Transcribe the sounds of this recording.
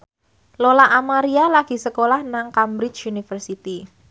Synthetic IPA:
lolaʔamaɾialaɡ̥i̤səkolahnaŋkambɾɪt͡ʃunifərsit̪i

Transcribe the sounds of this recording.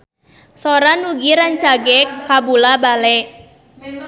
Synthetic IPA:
sɔɾanuɡiɾant͡ʃaɡɛkabulabalɛʔ

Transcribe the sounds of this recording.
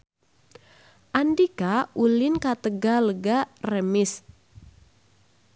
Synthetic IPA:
ʔandikaulɪnkat̪əɡaləɡarəmɪs

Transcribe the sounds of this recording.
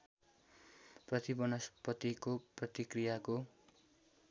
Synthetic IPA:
prʌt̪ibʌnʌspʌt̪ikoprʌt̪ikrijako

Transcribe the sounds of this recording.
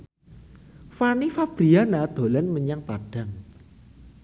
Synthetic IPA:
fanifab̥ɾianad̪̥o̤lanməɲaŋpaɖ̥a̤ŋ

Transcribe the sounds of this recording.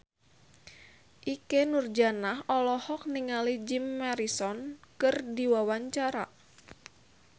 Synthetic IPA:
ʔikenurd͡ʒanaɦɔlɔhɔk̚niŋalid͡ʒimːaɾisɔnkɨrdiwawaɲt͡ʃaɾa̰

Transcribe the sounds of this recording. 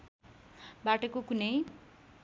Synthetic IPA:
baʈʌkokunʌj

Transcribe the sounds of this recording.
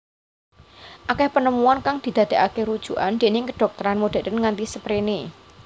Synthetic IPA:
ʔakɛhpənəmuankaŋd̪̥i̤d̪̥ä̤d̪̥e̤ʔakeɾud̥ʒ̥ṳʔand̪̥e̤nɪŋkəɖ̥ɔ̤k̚t̪əɾanmud̥e̤d̪ənŋant̪isəpɾene

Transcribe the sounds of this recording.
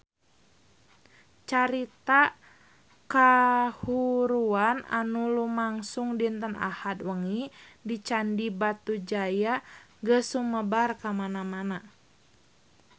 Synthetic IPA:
t͡ʃaɾit̪a | kahuɾuana̰nulumaŋsuŋdiənt̪əna̰hat̪̚wəŋidit͡ʃandibat̪ud͡ʒajaɡəsuməbarkamanamana

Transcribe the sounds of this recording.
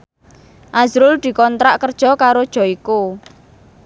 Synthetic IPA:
ʔazɾʊld̪̥i̤kɔnt̪ɾaʔkərd̥ʒ̥ɔ̤kaɾod̥ʒ̥ɔ̤iko

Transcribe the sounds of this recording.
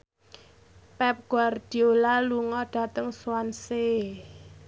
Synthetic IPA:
pɛp̚ɡ̥ward̥i̤olaluŋɔɖ̥a̤t̪əŋswanse

